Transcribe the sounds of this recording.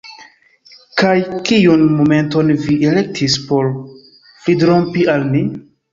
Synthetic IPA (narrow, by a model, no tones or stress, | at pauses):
kajkijunmome̞nto̞nviʔele̞k̚tʰispo̞ɾ | plidɾo̞mpialmi